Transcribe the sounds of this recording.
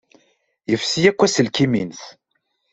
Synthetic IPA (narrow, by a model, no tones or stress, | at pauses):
jəfsijækʷːæsəlkiminθ